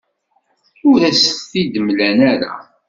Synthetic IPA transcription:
ʊɾæsθθid̪əmlænæɾa̰

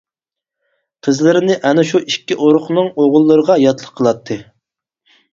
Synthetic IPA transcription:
qʰəzlɪɾɪnɪʔɛnɪʃuʔikʲːiʔoɾʊχnɨŋoʁʊlˠːɨɾəʁɑjɑt̪lˠəqʰːəlˠɑt̪ʰːɨ

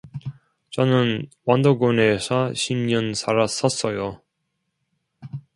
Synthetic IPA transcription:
t͡ɕʌnɯnwand̪oɡonesʰʌɕʰimɲʌnsʰaɾas͈ʌs͈ʌjo

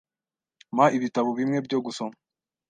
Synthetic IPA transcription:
maʔiβitaβoβimŋe̞bɟo̞ɡusoma

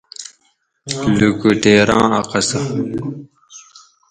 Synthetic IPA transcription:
lukuʈeːɾɑ̰̃ːɐqɐsa

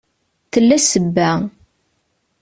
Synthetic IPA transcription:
θəlːæsəbːæ

